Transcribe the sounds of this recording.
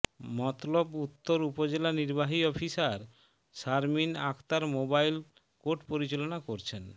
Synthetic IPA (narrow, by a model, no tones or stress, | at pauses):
mɔt̪lobut̪ːoɾupod͡ʑelaniɾbaɦiɔfisaɾ | ʃaɾminakʰt̪aɾmobajl | koʈpoɾit͡ɕelonakoɾt͡ɕʰen